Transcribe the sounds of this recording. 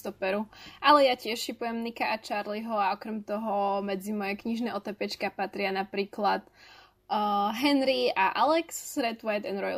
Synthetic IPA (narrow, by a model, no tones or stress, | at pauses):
t̪ɔpɛɾuʔalɛjacɪɛʃʃipujɛmnikaʔat͡ʃaɾliɦɔaɔkɾɛmt̪ɔɦɔmɛd͡zimɔjɛkɲiʒnɛːɔt̪ɛpɛt͡ʃkapat̪ɾɪanapɾiːklat̪ | ɦɛnɾiaʔalɛksɾɛt̪ʋajt̪ɛnɾɔj